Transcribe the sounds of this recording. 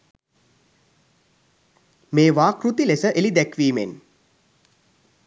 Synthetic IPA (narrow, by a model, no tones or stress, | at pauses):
meːʋaːkrut̪ilesəʔelid̪ækʋiːmḛn